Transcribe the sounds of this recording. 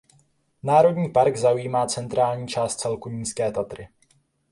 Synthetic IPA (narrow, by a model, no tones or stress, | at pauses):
naːɾodɲiːpaɾɡzaujiːmaːt͡sɛnt̪ɾaːlɲiːt͡ʃaːst̪̚t͡sɛlkuɲiːskɛːt̪at̪ɾɪ